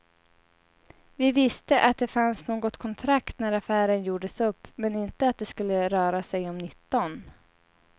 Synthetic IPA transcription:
vɪvɪst̪əʔat̪̚d̪ɛfansnoːɡɔt̪kʰɔnt̪ʰɾakt̪næɾafæːɾənjuːɖəsɵpːmɛnɪnt̪əat̪̚d̪ɛskɵlːəɾœːɾasɛjɔmnɪt̪ːɔn

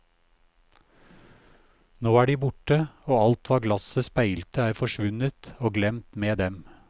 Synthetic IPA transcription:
noːæːɖiːbʊʈəoːɑlt̪ʋɑːɡlɑsəspæɪlt̪əæːɾfɔʃʋʉnət̪oːɡlɛmt̪meːd̪ɛm

